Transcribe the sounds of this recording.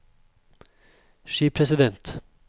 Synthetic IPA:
ʃiːpʰɾɛsɪd̪ɛnt̪

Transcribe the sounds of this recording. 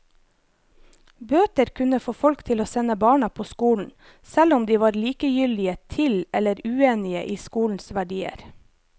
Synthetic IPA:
bøːt̪əɾkʰʉnəfoːfɔlkt̪ʰɪloːsɛnəbɑːɳɑpʰoːskuːln̩ | sɛlʊmd̪iːʋɑːɾliːkəjʏlɪət̪ʰɪlɛləɾʉːeːnɪə̰ʔiːskuːln̩sʋæɖiːə̰ɾ

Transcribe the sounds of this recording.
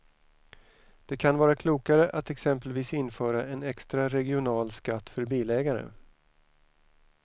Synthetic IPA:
d̪̥ɛkʰanvɑːɾakʰluːkaɾəʔat̪ɛksɛmpəlviːsɪnːfœːɾaɛnɛkst̪ɾaɾɛɡɪʊnɑːlskat̪ːfœɾbiːlɛːɡaɾə̰

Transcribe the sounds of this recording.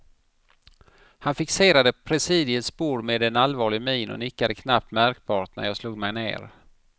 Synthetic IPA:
hanfɪkseːɾad̪əpʰɾɛsiːd̪ɪəspuːɾmeːd̪ɛnalvɑːɭɪɡmiːnʊ̰nɪkːad̪əkʰnap̚t̪mæɾk̚b̥ɑːʈ̪næ̰ɾjɑːsluːɡmɛjnḛːɾ

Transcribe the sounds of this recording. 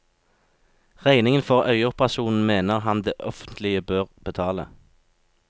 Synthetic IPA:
ʁæɪnɪŋənfɔʁœʏəʊpʁɑsuːnn̩meːnəʁhɑnd̪eːʔɔfənt̪ʰlɪəbøːʁb̥ət̪ʰɑːlə̰

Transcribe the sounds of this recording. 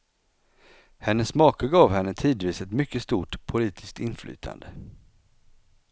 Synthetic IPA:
hɛnːəsːmɑːkəɡɑːvhɛnːət̪ʰiːd̪viːsɛt̪mʏkːəst̪uːʈpʰʊliːt̪ʰɪsk̚t̪ɪnflʔy̰ːt̪ʰa̰nd̪ə

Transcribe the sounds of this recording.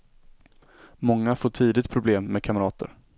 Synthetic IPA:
mɔŋːafoːʈʰiːd̪ɪt̪̚pʰɾʊbleːmːɛːd̪̚kʰaməɾɑːt̪ə̰ɾ

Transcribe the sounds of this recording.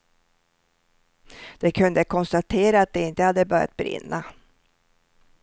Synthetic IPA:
d̪̥ɛkʰɵnd̪əkʰɔnst̪at̪ʰeːɾaːt̪̚d̪ɛɪnt̪əhad̪ːəbœɾja̰t̪̚bɾɪ̰nːʔa

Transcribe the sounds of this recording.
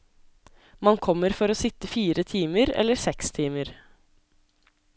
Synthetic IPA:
mɑnkʰɔmːəɾfɔɾoːsɪt̪əfiːɾət̪ʰiːməɾɛ̰lːəɾsɛkst̪ʰiːməɾ

